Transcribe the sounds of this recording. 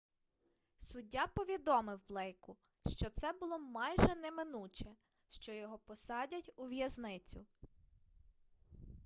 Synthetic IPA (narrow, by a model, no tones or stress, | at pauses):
sʊdʲːapɔʋʲid̪ɔmɪwblˠɛjkʊ | ʃt͡ʃɔt̪sɛbʊlˠɔmɑjʒɛnɛmɪnut͡ʃɛ | ʃt͡ʃɔjɔɦɔpɔsɑdʲɐtʲuʋjɐznɪt͡sʲʊ